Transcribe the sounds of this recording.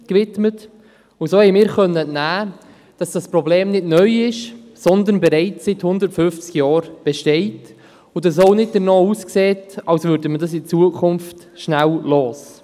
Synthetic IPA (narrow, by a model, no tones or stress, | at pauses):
kvɪtmət | ʊsoːhɛɪmɪːɾχœnːəɛnnæː | d̥ɑsd̥ɑsprɔbleːmnɪdnœʏɪʃ | sɔnd̪ənbɛɾɛɪt͡ssɪthʊndəɾtfʏft͡skjɑːɾb̥ɛʃtɛɪt | ʊdɑs̬oʊnɪd̚d̥əɾnɑːuːskseːtɑlsvʏɾdəmədɑs̬ɪt͡suəkʰʊnft | ʃnællɔːs